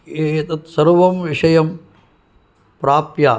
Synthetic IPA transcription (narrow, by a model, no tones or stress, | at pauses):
eːɐt̪ɐt̪sɐɾʋɐmʋiʂɐjɐm | pɾaːpjaː